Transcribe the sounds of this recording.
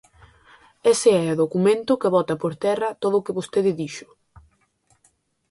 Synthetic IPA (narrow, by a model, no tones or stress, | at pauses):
eseɛoðokumẽnt̪ʊkeβɔt̪ɐpoɾt̪ɛrɐt̪oðʊːkɪβost̪eðɪðiʃʊ̥